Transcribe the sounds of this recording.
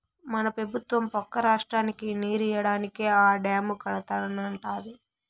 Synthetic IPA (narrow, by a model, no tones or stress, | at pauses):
mɐnɐpɾɐbʱut̪ʋɐmpɔkːɐɾaːʂʈɾaːnikiniːɾijɐɽaːnikeːaːɖaːmukɐɭɐt̪aːɾɐnɐɳʈaːd̪i